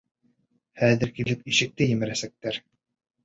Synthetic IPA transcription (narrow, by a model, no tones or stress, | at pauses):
hæðɘ̆ɾkilɘpiʃɘ̆k̚t̪ɘjɘ̆mɘ̆ɾæsæk̚t̪æɾ